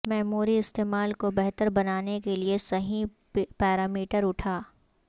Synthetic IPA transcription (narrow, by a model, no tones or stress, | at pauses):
mɛːmuːɾiɪst̪eːmaːlkobɛɦt̪əɾbɐnaːnekeliesɐɦĩ | pɛːɾaːmiːʈəɾʊʈʰaː